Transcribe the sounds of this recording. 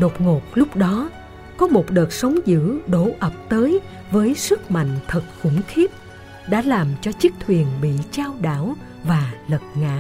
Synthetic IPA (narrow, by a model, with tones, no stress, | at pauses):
ɗo˨˩k͡p̚ŋo˨˩p̚lʊ˦˥k͡p̚ɗɔ˨˦ | kɔ˨˦mo˨˩t̚ɗəː˨˩t̚sə˨˦wŋ͡mzɨ̰˧˥ɗo˧˩˦ʔə˨˩p̚t̪əː˨˦j | vəː˨˦jsɨ˦˥k̚ma̰˧˨jŋ̟t̪ʰə˨˩t̚xʊ̰˧˥ŋ͡mxi˦˥əp̚ | ɗa̰ː˧˥laː˨˩mt͡ɕɔ˧t͡ɕɨ˦˥k̚t̪ʰwi˨˩ənɓḭ˧˨t͡ɕaː˧wɗa̰ː˧˥w | vaː˨˩lə˨˩t̚ŋa̰ː˧˥